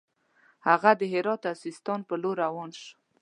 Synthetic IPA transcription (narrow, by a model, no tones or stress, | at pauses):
haɣad̪əɦɪɾɑt̪asist̪ɑnpəloɾawɑnʃ